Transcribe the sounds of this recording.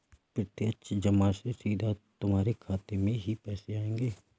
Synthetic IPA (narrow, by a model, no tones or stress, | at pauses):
pɾɪt̪jət͡ʃʰd͡ʒɐmasesiːd̪ʱat̪ʊmɦaːɾekʰaːt̪emẽɦipɛːseaːẽːŋɡeː